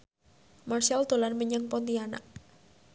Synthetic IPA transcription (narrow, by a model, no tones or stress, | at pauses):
marsald̪̥o̤lanməɲəŋpɔnt̪iana̰ʔ